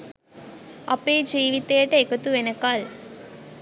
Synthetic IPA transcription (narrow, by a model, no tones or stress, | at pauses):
ɐpːeːd͡ʒiːʋit̪ːeːʈːɐekːɐt̪ːuʋenɐkːaːl